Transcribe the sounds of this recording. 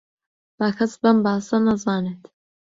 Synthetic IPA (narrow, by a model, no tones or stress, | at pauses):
b̥aːkʰɐsbɐmbɑːsɐnɐzɑːneːt̪